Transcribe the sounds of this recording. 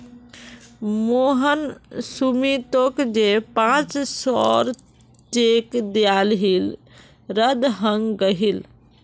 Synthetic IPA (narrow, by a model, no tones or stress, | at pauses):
moɦənsumit̪okd͡ʒepãt͡ʃsɔɾ | t͡ʃekd̪jalɦil | ɾəd̪ɦə̃ŋɡɡəɦil